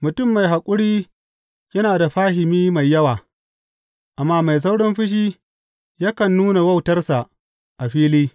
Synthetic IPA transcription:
mʊ˨tʊ˦˨mːa˨jɦa˨kʷʼʊ˦ɽiː˦ | jɐ˦naː˨da˨ɸaː˦ɦɪ˨miː˦ma˨jːɐ˦waː˨ | ʔa˨mːaː˦ma˨js̬a˦wɽɔ˦mɸɪ˦ʃ̬iː˦ | ja˦kɐ˨nːuː˦na˨wɐ˦wtɐ˦rsa˨ʔ | ʔa˨ɸiː˦liː˦

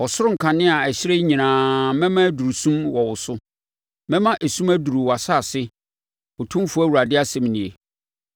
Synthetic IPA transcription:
ɔ˨sʊ˦ɾʊ˦ŋ̩˨kʰã˨nɪ̃˦a˨ɛ˨ɕɪ˦ɾe˦ɲĩ˨nãː˨mɛ̃˦mã˦æ˦du˨ɾu˨sũ˦mwɔ˨wʊ˨sʊ˦ | mɛ̃˦mã˦ʔæ˨sũ˦mæ˦du˨ɾu˨wa˨saː˦˨sɪ˦ | ʊ˨tʰʊ̃˦m˦fʊ˦æ˦wu˨ɾa˨dɪ˦a˦sɛ̃˨m˨nĩ˨e˨

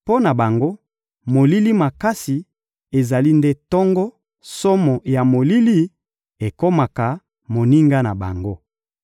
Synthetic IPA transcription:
po˦na˨ba˨ŋɡo˦ | mo˨li˦li˦ma˨ka˦si˨ | e˨za˨li˦nde˦tɔ˦ŋɡɔ˦ | so˦mɔ˨ja˨mo˨li˦li˦ | e˨ko˦ma˨ka˨ | mo˨ni˦ŋɡa˦na̰˨ba̰˨ŋɡo˦

